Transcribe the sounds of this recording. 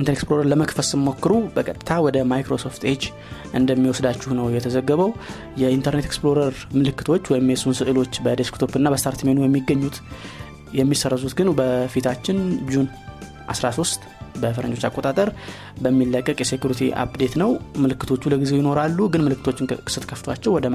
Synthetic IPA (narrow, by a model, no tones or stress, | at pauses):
inʰəneksploɾəɾləməkfəlsɨmːo̞kːɨɾubəkʰʼət̪ʼɨ̥t̪ʰawɔd̪əmajkɾo̞so̞ft̪ed͡ʒ | ʔɨnd̪əmːiwɔsd̪at͡ʃːɪhnəwjɛt̪ʰəzəɡːəβəw | jɛint̪ʰəɾnet̪eksplo̞ɾəɾ | mɨlɨkːɨ̥t̪ʰo̞t͡ʃːwɔjɪmjɛsunsɨʔɨlo̞t͡ʃːbəd̪eskt̪ʰo̞pɨnːabəst̪ʰaɾt̪menujɛmːiɡːəɲːut̪ | jɛmːisərːəzut̪ɡɨnbəfit̪ʰat͡ʃːɪnd͡ʒun | ʔa̰sɾasost̪ | bəfɾə̰nd͡ʒot͡ʃːakʼo̞t̪ʼat̪ʼəɾ | bəmːilːəkʼːəkʼjɛse̞kjuɾit̪ʰḭʔa̰bd̪e̞t̪nəwmɨlɨkːɨt̪ʰo̞t͡ʃːuləɡizejɪno̞ɾalːuɡɨnmɨlɨkːɨt̪ʰot͡ʃːɪnkʰɨ̥sɨt̪kʰəft̪oat͡ʃːɛwɔd̪ə